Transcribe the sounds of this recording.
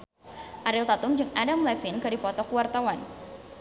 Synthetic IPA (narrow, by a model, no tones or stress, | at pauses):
ʔaɾɪlt̪at̪ʊmd͡ʒɨŋadamlɛfɪnkadipɔt̪ɔkuwart̪awan